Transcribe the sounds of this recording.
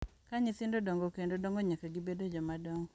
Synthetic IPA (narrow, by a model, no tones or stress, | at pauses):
kaɲit̪ɪndodɔŋɡokendodɔŋɡoɲakaɡibedod͡ʒɔmadɔŋɡ